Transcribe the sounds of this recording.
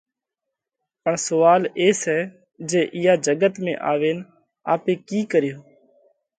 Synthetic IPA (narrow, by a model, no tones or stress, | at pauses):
pəɳsʊʋaːleːsɛː | d͡ʒeːʔɪjaːd͡ʒəɡət̪mḛ̃ːʔaːʋeːn | aːpeːkiːkəɾɪjoː